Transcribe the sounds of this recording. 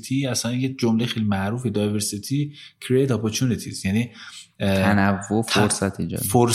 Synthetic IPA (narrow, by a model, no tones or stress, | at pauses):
t̪ʰiæsænjed͡ʒomlejxejlimæʔɾuːfed̪ɒjveɾsit̪ʰi | kʰɾiejd̪ɒpʰoɾt̪ʰunit̪ʰisjæni | ænævːofoɾsæt̪ʰid͡ʒɒ̰foɾ